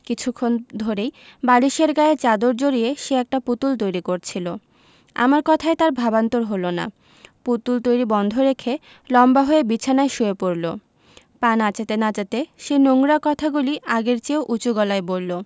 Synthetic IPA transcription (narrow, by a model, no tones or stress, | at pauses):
kit͡ɕʰukʰːond̪ʱoɾejbaɽiʃeɾɡaet͡ɕad̪oɾd͡ʑoɾieʃeɛk̚ʈaput̪ult̪ojɾikoɾt͡ɕʰilo | a̰maɾkɔt̪ʰaet̪aɾbʱabant̪oɾɦolona̰ | put̪ult̪ojɾibɔnd̪ʱoɾekʰe | lɔmbaɦoebit͡ɕʰanaeʃuepoɾlo | panat͡ɕet̪enat͡ɕat̪eʃenoŋɾakɔt̪ʰaɡuliaɡeɾt͡ɕeoʔut͡ɕuɡɔlaebolːo